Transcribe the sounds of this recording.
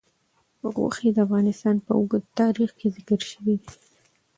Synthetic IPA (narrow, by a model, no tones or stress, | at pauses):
ɣo̰xed̪əafɣɑnɪst̪ɑnpəʊɡəd̪̚t̪ɑɾixkezɪkəɾʃəwid̪i